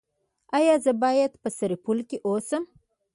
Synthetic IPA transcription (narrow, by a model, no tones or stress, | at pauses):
ɑjɑzəbɑjad̪pəsaɾipulkeʔosəm